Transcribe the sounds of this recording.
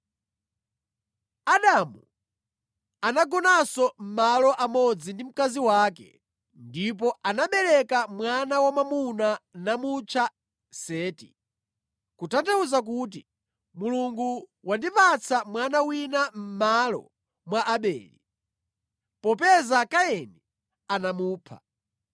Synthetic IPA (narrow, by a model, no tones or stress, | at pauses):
aɗamu | anaɡɔnasɔm̩malɔʔamɔd͡zindim̩kaziwaːkɛ̰ | ndip̬ɔʔanaɓɛlɛkamwanawamamunanamut͡ʃʰa | sɛːtḭ | kutatauzak̬uːt̬i | muluŋɡuwandipat͡sʰamwanawinam̩malɔ̰ | mwaʔaɓɛ̰ːli | pɔpɛzakajɛnɛ | anamuːpʰa̰